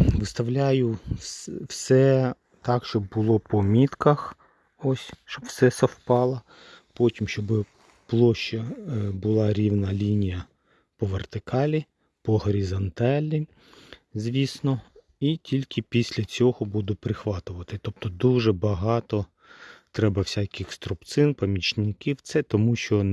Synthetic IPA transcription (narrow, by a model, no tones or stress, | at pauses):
ʋɪst̪ɐwlʲajʊswsɛ | t̪ɑkʃt͡ʃɔbːʊlˠɔpɔmʲit̪kɐx | ɔsʲʃt͡ʃɔbwsɛsɐwpɑlˠɐ | pɔtʲimʃt͡ʃɔbɪ | plˠɔʃt͡ʃɐbʊlˠɑɾʲiwnɐlʲinʲijɐ | pɔʋert̪ɪkɑlʲi | pɔɦɔɾʲizɐnt̪ɑlʲi | zʲʋʲisnɔ | itʲilʲkɪpʲisʲlʲɐt͡sʲɔɦɔbud̪ʊpɾɪxʋɑt̪ʊʋɐt̪ɪt̪ɔp̚t̪ɔd̪uʒɛbɐɦɑt̪ɔ | t̪ɾɛbɐwsʲakʲɪxst̪ɾʊpt̪sɪnpɐmʲit͡ʃnʲɪkʲiwt̪sɛt̪ɔmuʃt͡ʃɔ